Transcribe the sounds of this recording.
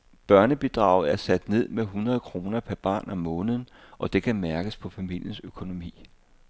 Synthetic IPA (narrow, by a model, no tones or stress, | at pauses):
b̥ɶɐnəb̥id̥ʁɑ̰̈ʊ̰ð̩ˠæɐsæd̥ne̝ð̞̰ˠmeɦunʁɐð̞ˠkʰʁo̝ːnɐpʰæɐb̥ɑ̰̈ːnæmɔ̽ːnəðˠ | ʔɒ̽d̥e̝kʰæmæɐɡ̥əspʰɒ̽fæmil̰jənsøkʰo̝no̝mḭː